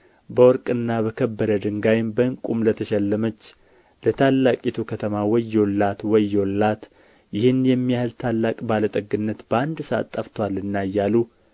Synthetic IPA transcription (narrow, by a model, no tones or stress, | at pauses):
bəwɔɾkʼɨnːaβəkʰəbːəɾəd̪ɨŋɡajɪmbəɨŋkʼumlət̪ʰəʃɛlːəmət͡ʃː | lət̪ʰalːakʼit̪ʰukʰət̪ʰəmawɔjːolːat̪wɔjːolːat̪ | jɪhɨnjɛmːijahlt̪ʰalːakʼbalət̪ʼəɡɨnːət̪bəand̪səa̰t̪ʼːəft̪ʰowalːɨnːajːalu